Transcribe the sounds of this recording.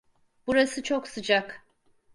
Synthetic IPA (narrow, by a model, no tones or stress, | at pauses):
b̥uɾasɯt͡ʃʰoksɯd͡ʒak